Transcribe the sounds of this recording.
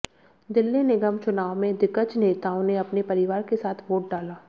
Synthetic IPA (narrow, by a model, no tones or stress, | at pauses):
d̪ɪlːenɪɡəmt͡ʃʊnaːwmẽd̪ɪkət͡ʃneːt̪aːõneɐpnepɐɾɪʋaːɾkesaːt̪ʰʋoːʈ̚ɖaːlaː